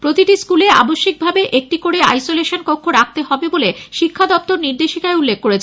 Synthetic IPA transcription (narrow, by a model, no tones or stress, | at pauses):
pɾot̪iʈiskulea̰boʃːik̚bʱabeʔek̚ʈikoɽea̰jsoleʃonkokʰːoɾak̚ʰt̪eɦɔbeboleʃikʰːad̪ɔp̚t̪oɾniɾd̪eʃikaeulːek̚ːoɾet͡ɕʰe